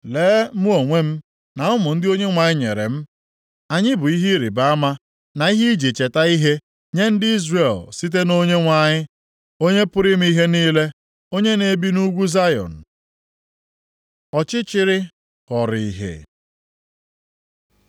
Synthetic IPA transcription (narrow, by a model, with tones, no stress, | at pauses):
leː˨˦mʊ˦o˨ŋʷe˦m̩˦ | na˨ʊ˦mʊ˨n̩˦dɪ˦o˦ɲe˦ŋʷa˨ɲɪ˦ɲe˨ɾḛ˨m̩˦ | a˨ɲɪ˦bʊ˨i˦ɦi˦ɾi˨ba˦a˦ma˦ | na˨i˦ɦi˦d͡ʒi˨t͡ʃe˨ta˦i˦ɦe˦ | ɲe˦n̩˦dɪ˦i˦zre˨lsi˦t̬e˦no˦ɲe˦ŋʷa˨ɲɪ˦ | o˦ɲe˦pʊ˦ɾɪ˦m̩˦i˦ɦe˦niː˦le˦ | o˦ɲe˦ne˦bi˦nu˦ɡʷu˦za˦jɔ̰˨n̩˨ | ɔ˨t͡ʃɪ˦t͡ʃɪ˦ɾɪ˦ | kɔ˨ɾi˨i˨ɦḛ˨